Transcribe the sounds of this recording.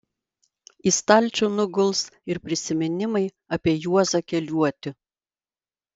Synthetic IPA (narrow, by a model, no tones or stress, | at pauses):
ist̪ɐlʲˑt͡ʃʲunʊɡʊlˠsɪɾpʲɾʲɪsʲɪmʲɪnʲɪmɐɪ | ɐpʲiɛjuɔzɐkʲɛlʲuɔt̪ʲɪ